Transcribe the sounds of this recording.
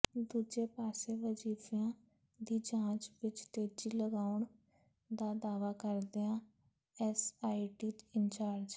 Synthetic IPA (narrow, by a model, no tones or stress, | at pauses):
d̪uːd͡ʒeːpaːseːʋəd͡ʒiːfjãː | d̪iːd͡ʒãːt͡ʃʋɪt͡ʃt̪eːd͡ʒiːləɡaːʊɳ | d̪aːd̪aːʋaːkəɾd̪eːãː | ɛsaːiːʈiːɪnt͡ʃaːɾd͡ʒ